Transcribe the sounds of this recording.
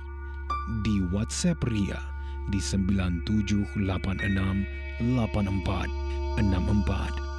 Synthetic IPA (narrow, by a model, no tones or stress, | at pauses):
diwat̪sɛpria̰ | disəmbilant̪ud͡ʒʊhlapanʔənam | lapanəmpa̰t̪̚ənãmʔəmpa̰t̪̚